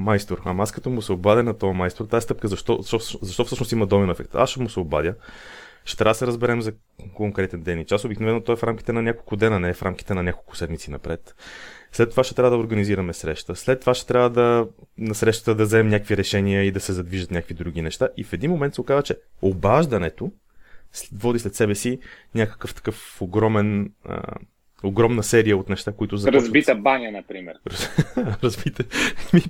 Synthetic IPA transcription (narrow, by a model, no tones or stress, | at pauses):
majst̪oɾɐmaskɐt̪ɔmʊsɛobad̪ʲənɐt̪ɔɐmajst̪oɾt̪aɛst̪ɤp̚kəzɐʃt̪ɔʃt̪ɔfszɐʃt̪ɔfsɤʃnʊst̪imɐd̪ɔmɛnɛfɛ̰k̚t̪a̰sʃɛmʊsɛoba̰d̪ʲə | ʃt̪ɛt̪ɾavd̪əsɛɾəzbɛɾɛmzɐ | koŋkɾɛt̪ɛnd̪ɛnit͡ʃasobiknovɛnːot̪ɔɛfɾamki̥t̪ɛnɐnʲakolˠkʊd̪ɛnənɛfɾʔamkʲi̥t̪ɛnɐnʲakolˠkʊ̥sɛd̪mit̪sinɐ̰pɾɛt̪slɛt̪ːovaʃt̪ɛt̪ɾavəd̪ɐoɾɡɐniziɾɐmɛsɾɛʃt̪əslɛt̪ːovaʃt̪ɛ̥t̪ɾʲavəd̪ɐnɐsɾɛʃt̪ə̥t̪əd̪ɐvzɛɛmnʲjakviɾɛʃɛniəid̪ɐsɛzɐd̪viʒət̪nʲakvid̪ɾuɡ̟inɛʃt̪aʔifɛd̪inmomɛnt̪sokazət͡ʃɛobaʒd̪ɐnɛt̪o | svɔd̪islɛt̪sɛbɛsinʲakə̥kəft̪ɐ̥kɤfoɡɾɔmɛnə̰ | oɡɾɔmnəsɛɾijəot̪nɛʃt̪akoit̪ʊzɐɾɐzit̪əbanʲənɐpɾimɛ̰ɾɾɾɐzbit̪əmi